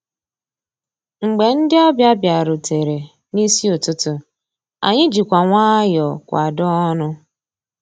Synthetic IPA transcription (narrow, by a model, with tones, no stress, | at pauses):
ŋ͡m̩˨ɡ͡be˨n̩˦dɪ˦ɔ˦bja˦bja˨ɾʊ˨tʰe˨ɾe˨ | ni˦si˦ʊ˨tʊ˦tʊ˦ | a̰˨ɲɪ˦d͡ʒi˨kʷa˨ŋʷaː˦jɔ˨kʷa̰˨dɔ˦ɔ˦nʊ˦